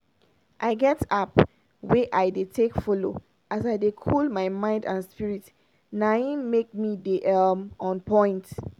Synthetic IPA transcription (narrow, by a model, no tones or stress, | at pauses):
ʔaɪɡɛtap | weʔajdetʰekfɔlo̰ | ʔasajdekʰɔlmajmãɪ̃ndãnspiɹit | naĩnmek̚mideʔamɔ̃npɔ̃ɪ̃nt